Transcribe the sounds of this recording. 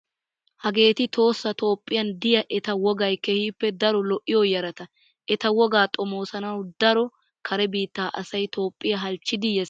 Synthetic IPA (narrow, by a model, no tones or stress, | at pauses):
hɐɡe̞ːt̪ɪt̪o̞ːsːɐt̪o̞ːpʼːɪjɐnd̪ɪjɐʔɛt̪ɐwɔɡɐjkɛhiːpːɛd̪ɐɾɔlɔʔːɪjɔjɐɾɐt̪ɐ | ʔɛt̪ɐwɔɡaːt̪ʼɔmo̞ːsɐnɐwd̪ɐɾɔ | kʰɐɾɛbiːt̪ːaːʔɐsɐjt̪o̞ːpʼːɪjɐɦɐlt͡ʃːɪd̪ɪjɛ